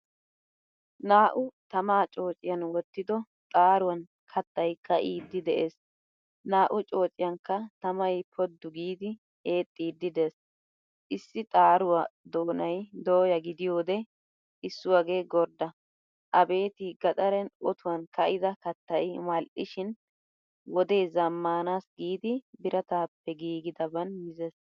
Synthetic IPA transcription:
naːʔʊt̪ɐmaːt͡ʃʼo̞ːt͡ʃʼːɪjɐnwɔt̪ːɪd̪ɔ | t̪ʼaːɾʊwɐn | kʰɐt̪ːɐjkːɐʔiːd̪ːɪd̪ɛʔeːs | naːʔʊt͡ʃʼo̞ːt͡ʃʼːɪjɐnkːɐt̪ɐmɐjpʰɔd̪ːʊɡiːd̪ɪ | e̞ːt̪ʼːiːd̪ːɪd̪es | ʔɪsːɪt̪ʼaːɾʊwɐd̪o̞ːnɐjd̪oːjɐɡɪd̪ɪjo̞ːd̪ɛ | ʔɪsːʊwɐɡe̞ːɡɔɾd̪ɐ | ʔɐbe̞ːt̪ɪɡɐt̪ʼɐɾɛnɔt̪ʊwɐnkɐʔɪd̪ɐkɐt̪ːɐjmɐlʔɪʃɪn | wɔd̪ɛjzɐmːaːnaːsɡiːd̪ɪbɪɾʔɐt̪aːpːɛɡiːɡɪd̪ɐbɐnmɪzɛs

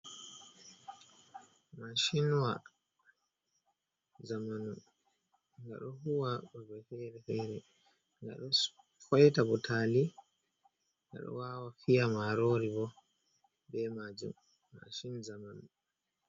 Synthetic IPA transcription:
maʃinwa | zamanu | ŋɡa̰ɗɔhuwabɔbɛfɛɾɛfɛɾɛ | ŋɡa̰ɗɔ | fɔjtabɔtʰaːli | ŋɡa̰ɗɔ̰waːwafijamaɾoɾibɔ | bɛmad͡ʒṵmː | a̰ʃinzamanu

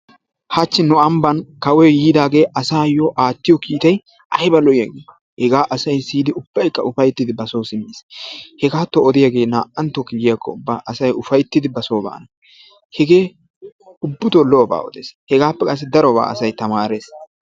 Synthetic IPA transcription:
hɐt͡ʃːɪnʊɐmbɐnkɐwɛjiːd̪aːɡe̞ːʔɐsaːjɔʔaːtːɪjɔkiːt̪ɐj | ɐjbɐlɔjɪjɐɡɪː | hɛɡaːʔɐsɐjsiːd̪ɪʊb̥ːɐjkːɐʊfɐjt̪ːɪd̪ɪbɐsoːsɪmːeːshɛɡaːt̪ːɔɔd̪ɪjɐɡe̞ːna̰ːʔɐnt̪ːɔkɪɡɪjakʰːɔʊbːaːʔɐsɐjʔʊfɐjt̪ːɪd̪ɪbɐsoːba̰ːnɐ | hɛɡe̞ː | ʊbːʊt̪oloːba̰ːɔ̰d̪ḛːshɛɡaːpːɛkʼɐs̬ːɪd̪ɐɾɔba̰ːɐsɐjt̪ɐmaːɾeːs

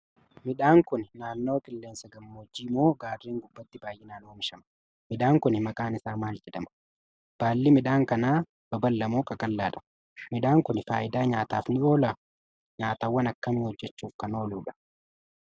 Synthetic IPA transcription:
mɪᶑaːŋkʊnnaːnːo̞ːkʼɪlːeːnsɐɡɐmːod͡ʒːiːmo̞ːɡaːrːeːŋɡʊbːɐt̪ːɪbaːjʔːɛnaːnoːmɪʃɐmɐ̥ | mɪᶑaːŋkʊnɪmɐkʼaːnɪsaːmaːld͡ʒɛd̪ɐmɐ̥ | b̥aːlːɪmɪᶑaːŋkɐnaː | b̥ɐbɐlːɐmoːkʼɐkʼɐlːaːᶑɐ̥ | mɪᶑaːŋkʊnfaːʔɪd̪aːɲaːt̪aːfnɪo̞ːlɐ | ɲaːt̪aːwːɐnɐkːɐmiːhɔd͡ʒːɛt͡ʃːuːfkɐno̞ːluːᶑɐ̥

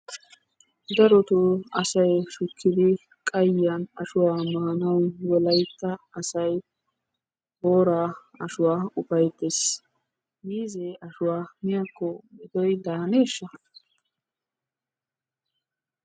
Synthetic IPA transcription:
d̪ɐɾɔt̪ʊɐ̰sɐjʃʊkʰːɪd̪ɪ | kʼɐjːɐnɐʃʊwaːmaːɐnɐwwɔlɐjt̪ːɐːsɐj | boːɾaː | ɐʃʊwaːʊpɐjt̪ːes | miːzeʔɐʃʊwaːmɪjɐkːɔmɪd̪ɔjd̪aːneːʃːɐ

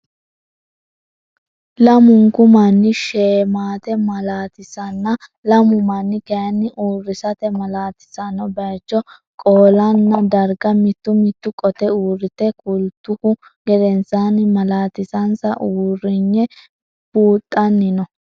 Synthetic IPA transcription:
lɐmʊŋkʊmɐnːɪʃeːmaːt̪ɛmɐlaːt̪ɪsɐnːɐlɐmʊmɐnːɪkɐjɐnːɪʔuːrːɪsɐt̪ɛmɐlaːt̪ɪ̥sɐnɔbɐt͡ʃːɔ | kʼoːlɐnːɐd̪ɐɾɡɐmɪt̪ːʊmɪt̪ːʊkʼɔt̪ɛuːrːɪt̪ːɛkʼʊlt̪ːʊhʊ | ɡɛd̪ɛnsanmɐlaːt̪ɪsɐnsɐʔuːrɪɲːɛ | b̥uːt̪ʼːɐnːɪnɔ

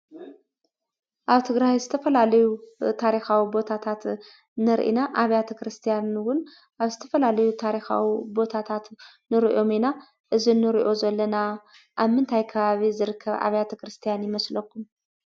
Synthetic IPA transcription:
ʔaβt̪ʰɨɡɾajzɨt̪ʰɐfɐlalɐjut̪ʰaɾixawibo̞t̪ʰat̪ʰat̪ | nɨɾʔḭnaʔaβjat̪ʰɐkɾɨst̪ʰijanwʊn | ʔaβzɨt̪ʰɐ̥fɐlalɐjut̪ʰaɾixa̰wibo̞t̪ʰat̪ʰat̪ | nɨɾiʔo̞mena | ʔɨzinːɨɾiʔo̞zɐlːɐna | ʔaβmɨnt̪ʰajkʰɐβaβizɨɾɨkʰːɐβa̰βjat̪ʰɐkɾɨst̪ʰijanjɪmɐslɐkʰːum

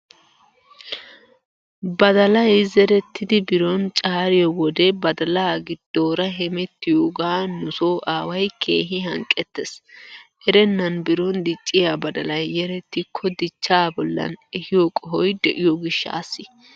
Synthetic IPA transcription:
bɐd̪ɐlɐjzɛɾɛt̪ʰːɪd̪ɪbɪɾɔnt͡ʃʼaːɾɪjɔwɔd̪ɛbɐd̪ɐlaːɡɪd̪̥ːoːɾɐɦɛmɛt̪ːɪjoɡaːnʊsoːʔaːwɐjkʰeːɦɪɦɐŋkʼɛt̪ːɛsʔɛɾɛnːɐnbɪɾɔnd̪ɪt͡ʃʼːɪjabɐd̪ɐlɐjːɛɾɛt̪ːɪkʰːɔd̪ɪt͡ʃːaːbɔlːɐ̰nɛhɪjokʼɔɦɔjd̪ɛʔɪjɔɡɪʃːa̰ːsːɪ

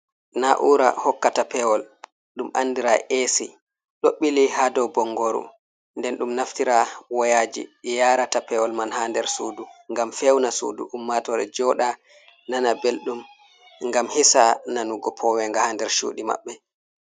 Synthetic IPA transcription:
naʔuɾa̰hɔkːatapɛwɔl | ɗumʔa̰nːdiɾa̰ʔesi | ɗoɓːilihadɔwbɔŋɡoɾṵ | ndɛnɗumnaftiɾawɔjaːd͡ʒḭɗijaːɾatapɛwɔlmanhaːndɛɾsuːduŋɡamfewnasṵːdṵʔumːatɔɾɛ̰d͡ʒɔːɗa | nanabelɗum | ŋɡamhisananuɡɔpʰɔwɛŋɡahaːndɛɾʃṵːɗima̰ɓːɛ

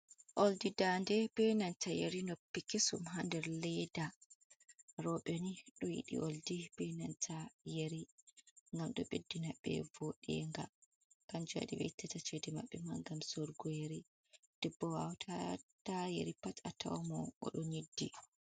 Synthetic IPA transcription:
ʔoldidandɛbɛnantʰajeɾinopːikisumɦandɛɾlɛda | ɾɔɓɛniɗɔjḭɗḭʔoldib̥ɛnantʰajeɾiŋɡamɗɔ̰ɓedːinaɓːɛ̰voɗɛ̰ŋɡa̰ | kand͡ʒuwa̰ɗḭbɛ̰tːatat͡ʃedɛmaɓːɛmaɡamsɔɾɡɔjeɾi | d̥ɛbːɔwawtʰatajeɾipatatʰa̰wmɔʔɔ̰ɗɔɲidːi

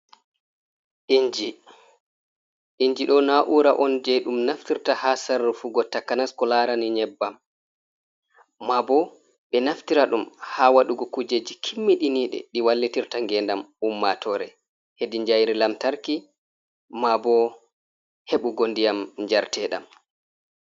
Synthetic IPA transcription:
ʔiɲd͡ʒi | ʔiɲd͡ʒiɗɔnaʔuɾaʔɔnd͡ʒɛɗumnaftiɾtahasaɾːufuɡɔtakːanaskɔlaɾaniɲɛbːam | abɔ | ɓɛnaftiɾaɗumhawaɗuɡɔkud͡ʒed͡ʒikʰimːiɗiniɗɛ̰ɗiwalːitiɾtaŋɡɛndamumːatʰɔɾɛ | hediɲd͡ʒajɾilamtaɾki | mabɔ | heɓuɡondijamɲd͡ʒaɾtʰɛɗa̰m

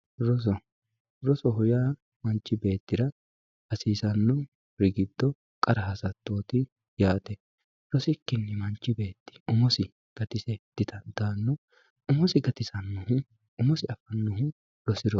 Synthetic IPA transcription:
ɾɔs̬ɔ | ɾɔsɔɦʊjaː | mɐnt͡ʃːɪbe̞ːt̪ːɪɾɐ | hɐsiːsɐnːʊ | ɾɪɡɪd̪ːɔ | kʼɐɾɐɦɐsɐt̪ːo̞ːt̪ɪ | jaːt̪ɛ | ɾɔsɪkːɪnːɪmɐnt͡ʃːɪbe̞ːt̪ːɪ̥ʊmɔsɪ | ɡ̥ɐt̪ɪsɛd̪̥ɪt̪ɐnd̪̥aːnːʊ | ʊmɔsɪɡɐt̪ɪsɐnːʊhʊ | ʊmɔsɪɐfɐnːʊɦʊ | lɔsɪɾɔ

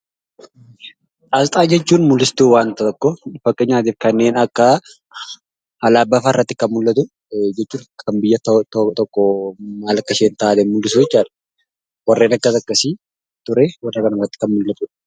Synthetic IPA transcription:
ʔɐlt̪ʼaːd͡ʒɛt͡ʃːuːnmʊlːɪst̪uːwaːnt̪ɐɔkːɔfɐkʼːɛɲːaːt̪iːfkɐnːeːnɐkːɐ | hɐlaːbɐfaɪrːɐt̪ːɪ̥kɐnmʊlːɐt̪ʊ | d͡ʒɛt͡ʃːuːnʰɐmbɪjːɐt̪ɔkʼːɔmaːlɐkːɐʃeːnt̪aʔaːlɛmʊlːɪs̬ʊɛt͡ʃːaːᶑɐ̥ | wɐrːe̞ːnɐkːɐt̪ɐkːɐsɪ | t̪ʊɾɛwɐrːɐkɐnɐrɐt̪ːɪ̥kɐnmʊlːɐt̪uːᶑɐ̥

